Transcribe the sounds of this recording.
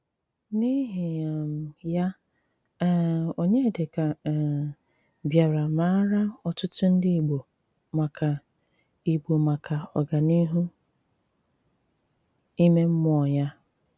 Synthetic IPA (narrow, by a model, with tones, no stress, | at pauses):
ni˦ɦi˨a˨m̩˨ja˦ | o˨ɲe˦˨de˨ka˨ | bja˨ɾa˨ma˦ɾa˦ɔ˨tʊ˦tʊ˦n̩˦dɪ˦i˨ɡ͡bo˨ | ma˨kʰa˨ | i˨ɡ͡bo˨ma˨kʰa˨ɔ̰˨ɡa˨ni˦ɦu˦ | i˦me˦m̩˦m˦ɔ˨ja˦